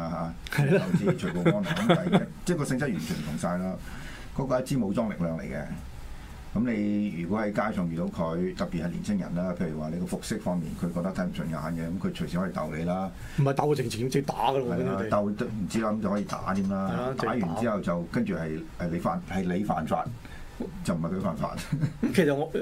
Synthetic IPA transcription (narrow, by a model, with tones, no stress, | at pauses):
a˧ɦa˧ | hɐ˨ɐ˨˧˩t͡siː˥˧t͡ʃʰɵ˨˩kɔː˧ɔː˥nɔ˨˩ŋkːmaː˨jɐ˥t͡sɛː˥˩kɔː˧sɪ˧ŋt͡sɐ˥t̚ɥyː˨˩nt͡ʃʰyː˨˩m˨t̪ʰʊ˨˩ŋsaː˧jlaː˥ | kɔː˨˥kɔː˧jɐ˥t̚t͡siː˥mo˨˧wt͡sɔː˥ŋlɪ˨k̚lœː˨ŋlḛ˨˩jkɛ̰˧ | kɐ˨˦mne˨˧jjyː˨˩kwɔ˨˥hɐ˨˥jkaː˥jsɔː˨˩ŋjyː˨t̪o˨˧wkʰɵ˨˧ɥt̪ɐ˨k̚pi˨t̚hɐ˨jlḭ˨˩nt͡sʰɪ˥ŋjɐ̰˨˩nlaː˥pʰe˧jy˨˩waː˨˩le˨˧kɔː˧fʊ˨k̚sɪ˥k̚fɔː˥ŋmḭː˨nkʰɵ˨˧ɥkɔ˧t̪ɐ˥t̪ʰɐ˧˥jm̩˨˩sʰɵ˨˧˩nkaː˧˨aː˨˧˥nɡɛː˧kɐ˨˦mkʰɵ˨˧ɥt͡ʃʰɵ˨˩siː˧˥hɔ˨˧˥i˧t̪ɐ̰˨wle˨˧jlaː˥ | m̩˨˩hɐ˨jt̪aː˨˥wɔ˧t͡sɪ˨˩ŋt͡sʰt͡sɪ˥t̪aː˨˥ɡɐ˧lɐ˨jla˧˦t̪ɐ˨wt̪m̩˨˩t͡siː˥laː˥kɐ˦mt͡swhɔː˧˥jiː˨˧t̪a̰ː˨˥t̪ʰiː˥mlaː˥˨˧t̪aː˨˥jy˨nt͡siː˦˥hɐ˨wt͡sɐ˨wkɐ˥nt͡ʃyː˨˩hɐ˨jʔɛ˨le˨˧jfaː˨˧nhɐ˨jle˨˧jfa̰ː˨nfa̰ː˧t̚ | t͡sɐ˨wm̩˨hɐ˨jkʰɵ˧ɥfaː˨˩nfa̰ː˧t̚kʰe˨˩sɐ˨t̚